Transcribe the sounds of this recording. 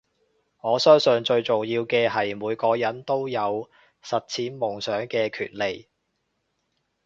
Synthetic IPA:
ŋɔː˨˧sœː˥ŋsɵ˧nt͡ʃɵ˧ɥt͡so˨˩ŋjiː˧wkɛː˧ɦɐ˨jmuː˨˧jkɔː˧jɐ˨˥nt̪o˥wjɐ˨˧w | sɐ˨t̚t͡sʰiː˨˥nmʊ˨˩ŋsœː˨˥ŋkɛː˧kʰy̰ː˨t̚le˨˩j

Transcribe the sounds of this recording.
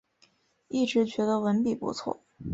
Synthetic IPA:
i˥˩ʈ͡ʂɻ̩˧˥t͡ɕɥɛ˧˥d̪ə˧wə˧˥npi˨˩pṵ˧˥t͡sʰwɔ̰˥˩

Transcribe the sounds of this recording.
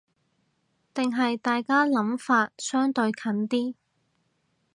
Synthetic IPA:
t̪ɪ˨ŋɦɐ˨jt̪aː˨jkaː˥lɐ˨˥mfaː˧t̚sœː˥ŋt̪ɵ˧ɥkʰɐ˨˥nt̪iː˥

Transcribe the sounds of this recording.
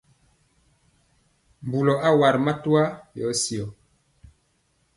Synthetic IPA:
m˨bu˨lɔ˨ʔa˦wa˨ɾma˦tu˦a˦jɔ˨˦si˨ɔ˨

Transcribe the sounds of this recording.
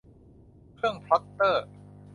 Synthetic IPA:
kʰɾɯ˥˩əŋpʰa˦˥t̪ːɤː˥˩

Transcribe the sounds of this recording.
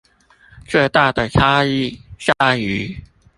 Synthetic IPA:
ʈ͡ʂə˥˧t̪a˥˩d̪ə˩ʈ͡ʂʰa˥i˥˩ʂa˥˩y˧˥

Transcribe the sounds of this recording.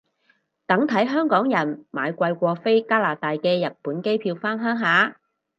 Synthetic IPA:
t̪ɐ˨˥ŋt̪ʰɐ˨˥jɦœː˥ŋkɔː˨˥ŋjɐ˨˩nma̰ː˨˧jkʷɐ˧jkʷɔː˧fe˥jkaː˥laː˨˩t̪aː˨˧jkɛː˧jɐ˨t̚puː˨˥nke˥jpʰiː˧wfaː˥nɦœː˥ŋɦaː˨˧

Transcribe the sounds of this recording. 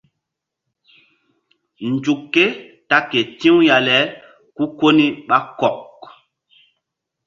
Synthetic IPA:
n˨d͡ʒu˨kːe˦ta˦ke˨tĩ˦wja˨lɛ˨˦ | ku˦ko˦ni˦ɓa˦kɔ˨k

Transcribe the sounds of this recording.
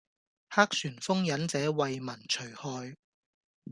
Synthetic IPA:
haː˥k̚syː˨˩nfʊ˥ŋjɐ˨˥nt͡sɛː˨˧˥wɐ˨jmɐ˨˩nt͡ʃʰɵ˨˩ɥhɔː˨˧j

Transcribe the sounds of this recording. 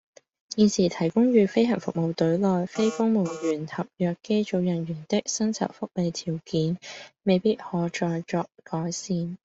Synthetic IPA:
jiː˨˧nsiː˨˩t̪ʰɐ˨˩jkʊ˥ŋjɥyː˨˧fe˥jɦɐ˨˩ŋfʊ̰˨k̚mo˨˧wt̪ɵ˨˥ɥlɔː˨jfe˥jfʊ˥ŋmo˨˧wɥyː˨˩nhɐ˨p̚jœː˨kːe˥jt͡ʃo˨˧wjɐ˨˩nɥyː˨˩nt̪ɪ˥k̚sɐ˥nt͡sʰɐ̰˨˩w̚fʊ˥k̚le˨˧jt̪ʰiː˨˩wkiː˨˥nme˨jpiː˥t̚hɔː˨˥t͡ʃɔː˧jt͡ʃɔː˧k̚kɔː˨˥jsiː˧n

